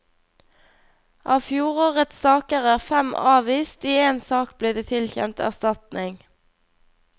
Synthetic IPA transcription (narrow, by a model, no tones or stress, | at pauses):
ʔɑːʋfjuːʁoːʁət̪sɑːkəʁæːʁfɛmɑːʋiːst̪iːeːnsɑːkbliːd̪eːt̪ʰɪlçɛ̰nt̪æ̰ʁst̪ɑt̪nɪŋ